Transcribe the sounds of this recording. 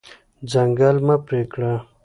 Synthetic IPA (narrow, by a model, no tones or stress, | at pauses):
d͡zɐŋɡalmapɾeːkɽa